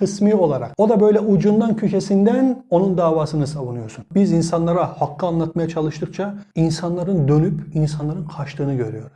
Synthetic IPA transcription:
kʰɯsmiːo̞lˠaɾa̰ko̞d̪abø̞jlʲɛud͡ʒund̪ancʰycʰesind̪æno̞nund̪aːvaːsɯnɯsavunujo̞ɾsunbizinsanlˠaɾahakʰːɯanlˠat̪majat͡ʃʰalˠɯʃt̪ʰɯkt͡ʃʰainsanlˠaɾɯnd̪ø̞nypinsanlˠaɾɯnqʰaʃt̪ʰɯːnɯɟø̞ɾyjo̞ɾuz̥

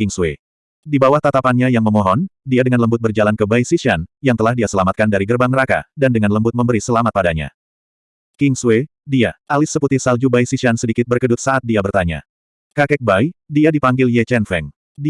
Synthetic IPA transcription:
kɪŋswe | dibawaht̪at̪apanɲajaŋməmɔɦɔndiadəŋanləmbʊt̪̚bərd͡ʒalankəbajsiʃianjaŋt̪əlahdiasəlamat̪̚kandaɾiɡərbaŋməɾaka̰dandəŋanləmbʊt̪̚məmbəɾisəlamat̪̚padaɲa̰ | kɪŋswe | diaʔalɪsːəput̪ɪhsald͡ʒubajsisiansədikɪt̪̚bərkədʊt̪̚saat̪̚diabərt̪aɲa̰ | kakɛk̚bajdiadipaŋɡɪljɛt͡ʃɛnfɛŋ

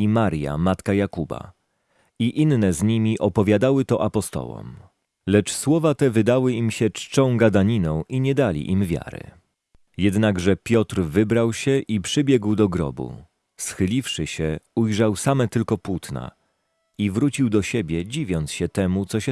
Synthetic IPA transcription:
imaɾja̰mat̪kajakuba̰ | iʔinːɛzɲimʲiʔɔpɔvʲjad̪awɘt̪ɔʔapɔst̪ɔ̰wɔ̰m | lɛt͡ʂswɔvat̪ɛvɘd̪awɘimɕɛt͡ʂt͡ʂɔ̃w̃ɡad̪aɲinɔ̃w̃ʔiɲɛd̪alʲḭʔimvʲja̰ɾɘ̰ | jɛd̪naɡʐɛpʲjɔt̪ɾvɘbɾawɕɛʔipʂɘbʲjɛɡwd̪ɔɡɾɔ̰bṵ | sxɘlʲifʂɘɕɛujʐawsamɛt̪ɘlkɔpwut̪na̰ | ivɾut͡ɕiwd̪ɔɕebʲjɛd͡ʑivʲjɔnt̪sɕɛt̪ɛmut̪sɔɕɛ

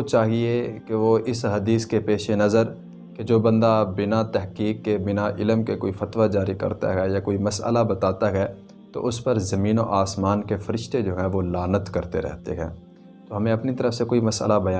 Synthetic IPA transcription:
ot͡ʃaːɦiekeʋoɪsɦɐd̪iːskepeːʃenɐzəɾ | ked͡ʒoːbɐ̃nd̪abɪnat̪ɛɦkiːkːebɪnaʔɪləmkekoːifɐt̪ʋad͡ʒaːɾikɐ̰ɾt̪a̰ɦɛjakoːimɐsə̰labɐt̪aːt̪aɦɛ | t̪o̰ʔʊspɐɾzɐmĩːnoʔaːsmaːnkefɐɾɪʃt̪ed͡ʒoːɦɛ̃ʋolaːnət̪kɐɾt̪ḛɾɛ̰ɦt̪ḛɦɛ̰̃ː | t̪oɦɐmẽɐpnit̪ɐɾəfsekoːimɐsə̰labɐjaː

